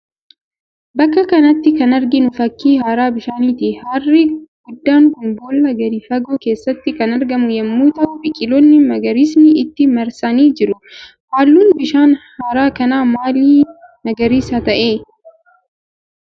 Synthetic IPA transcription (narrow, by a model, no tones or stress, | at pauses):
bɐkːɐkɐnɐt̪ːɪkɐnɐɾɡɪnʊfɐkːiːhaːɾaːbɪʃaːniːt̪ɪhɐarːɪɡ̥ʊd̪ːaːŋkʊnboːlːɐɡɐɾɪfɐɡoːke̞ːsːɐt̪ːɪkɐnɐɾɡɐmʊjɐmːuːt̪ɐʊbɪkʼɪlɔnːɪmɐɡɐɾiːsnɪɪt̪ːɪmɐɾsɐniːd͡ʒɪɾʊ | haːlːuːnbɪʃaːnhaːɾaːkɐnaːmaːliː | mɐɡɐɾiːsɐt̪ɐʔeː